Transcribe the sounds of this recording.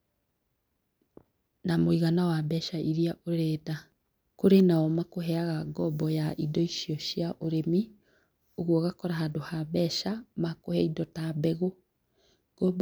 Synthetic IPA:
namoiɣanawabɛʃaʔiɾiaʔoɾɛːda | koɾenaɔmakoɦɛaɣaɡɔbɔjaʔidɔiʃiɔʃjaʔoɾemi | oɣwɔɣakɔɾaɦadohabɛʃamakohɛidɔtabɛɣo | ɡ̥ɔb

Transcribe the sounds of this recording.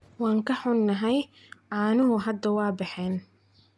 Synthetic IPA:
wɑːŋkʰɐħʊnːɐɦɛj | ʕaːnʊɦʊɦɐd̪ɐwɑːbɑħɛːn

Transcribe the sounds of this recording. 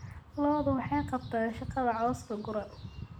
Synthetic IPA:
lɔːðʊwɑħɑjqɑb̚t̪ʰaːnʃɑqɑðɐʕɔːsk̪ʰɐɡʊɾɐn

